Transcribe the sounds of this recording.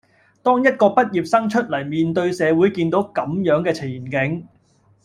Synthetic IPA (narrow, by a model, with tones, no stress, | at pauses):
t̪ɔː˥ŋjɐ˥t̚kɔː˧pɐ˥t̚jiː˨˩p̚sɐ˥ŋt͡ʃʰɵ˥t̚lɐ˨˩jmiː˨˧nt̪ɵ˧ɥsɛː˨˧wuː˨˥jkiː˧nt̪o˨˥wkɐ˨˧˥mjœː˨˥ŋkɛː˧t͡sʰɪ˨˩jiː˨˩nkɪ˨˥ŋ